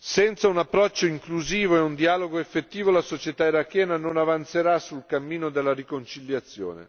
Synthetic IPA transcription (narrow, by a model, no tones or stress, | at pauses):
sɛnt̪saunapːɾɔt͡ʃːoiŋkluziːvoeund̪iaːloɡoefːet̪ːiːvolasot͡ʃet̪aiɾakːjɛːnanonavant̪seɾasulkamːiːnod̪elːaɾikont͡ʃiljat̪sːjo̰ːnḛ